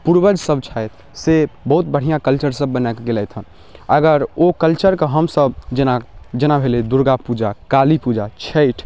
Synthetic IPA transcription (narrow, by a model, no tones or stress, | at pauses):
puɾbəd͡ʒsəbt͡ʃʰajt̪ʰ | sebəɦut̪̚bəɽ̤ijãkəlt͡ʃəɾsəbːənakɡelɛjt̪ʰə̃ | əɡəɾokəlt͡ʃəɾkəɦəmsəbd͡ʒenad͡ʒenabʱeled̪uɾɡapud͡ʒakalipud͡ʒat͡ʃʰeɪʈʰ